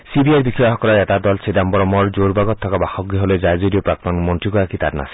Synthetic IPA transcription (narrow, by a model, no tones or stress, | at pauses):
sibiajɾbikʰɔjaɦɔkɔɾaet̪ad̪ɔlsʰedambɔɾɔmɔɾd͡ʒoɾbaɡɔt̪ʰːɔkabaxɔɡɾiɦoled͡ʒajd͡ʒoɾiopɾak̚t̪ɔnmɔnʈɾikɔakit̪a̰ɾna̰s